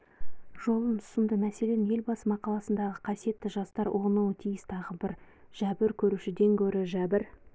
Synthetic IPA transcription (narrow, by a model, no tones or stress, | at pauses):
ʒ̥o̞lˠənʰʊ̥səmd̪əmæse̞le̞nɪnje̞lbɑsmɑqʰɑlˠɑsənd̪ɑʁəqʰɑsije̞t̪ːɪʒɑst̪ɑɾwʔonuwət̪ʰijɪst̪ʰɑʁəbɪɾ | ʒ̥æbɪɾkʲʰɵɾuʃɪd̪e̞ŋkʲʰɵɾɪʒæbɪɾ